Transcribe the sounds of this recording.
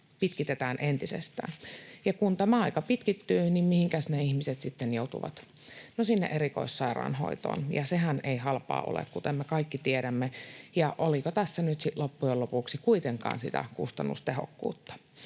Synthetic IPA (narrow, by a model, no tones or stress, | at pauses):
pit̪kit̪et̪æːnʔent̪isḛst̪æ̰ːnjɑkunt̪æmæɑikɑpit̪kit̪ːyːnimmihiŋkæsneihmiset̪sit̪ːenjout̪ṵʋɑ̰t̪ | nosinːḛʔeɾiko̰isːɑirɑ̰ːnho̰it̪o̰ːnjɑseɦæneihɑlpɑ̰ːʔo̰lḛkkut̪emmekɑikːit̪ieɾæmːejɑʔolikot̪æsːænyt̪siʔlopːujelopuksikuit̪eŋkɑ̰ːnsḭt̪æ̰kṵst̪ɑnːṵst̪eho̰kːṵːt̪ːɑ̥